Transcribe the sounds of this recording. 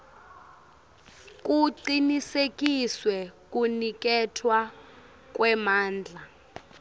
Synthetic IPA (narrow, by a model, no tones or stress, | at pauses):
k̬ʼuǀinisek̬ʼiswɛk̬ʼunik̬ɛtʰwa | k̬ʼwɛmaːnd͡ɮʱa